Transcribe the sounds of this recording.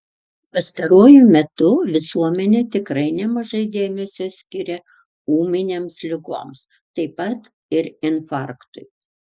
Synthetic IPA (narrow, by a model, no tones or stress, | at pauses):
pɐst̪ɐɾuɔjʊmʲɛt̪ʊʋʲɪsuɔmʲɛnʲeːt̪ʲɪkɾɐɪnʲɛmɐʒɐɪd̪ʲeːmʲɛsʲoːsʲkʲɪɾʲɛ | uːmʲɪnʲeːmslʲɪɡo̰ːms | t̪ɐɪpɐt̪ | ɪɾɪnfɑˑɾkt̪ʊɪ